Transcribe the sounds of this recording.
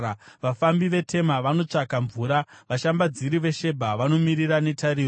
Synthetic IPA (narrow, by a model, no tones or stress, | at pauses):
ʋafambiʋe̞tʰe̞maʋano̞t͡ʂakaɱvuːɾaʋaʃambad͡ziɾiʋe̞ʃe̞bʱaʋano̞miɾiɾane̞tʰaɾiːro